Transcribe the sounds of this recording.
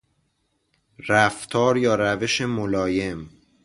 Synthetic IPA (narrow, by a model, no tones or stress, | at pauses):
ɾæft̪ʰɒːɾjɒːɾæve̞ʃemolɒːje̞m